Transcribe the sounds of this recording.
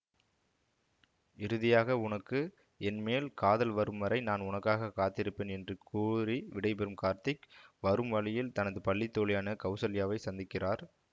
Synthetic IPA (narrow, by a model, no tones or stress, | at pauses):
ɪɾɯðɪjaːɣɐʊnɐkːɯ | ɛnmeːlkaːðɐlʋɐɾɯmʋɐɾɐɪnaːnʊnɐkːaːɣɐkːaːt̪ːɪɾɯpːeːnɛndrɯkʰuːɾiʋɪɽɐɪpɛɾɯmkaːɾt̪ɪkʋɐɾɯmʋɐɭɪjɪlt̪ɐnɐðɯpɐɭːit̪ːoːlɪjaːnɐkɐʊsɐlɪjaːʋɐɪsɐnd̪ɪkːɪraːɾ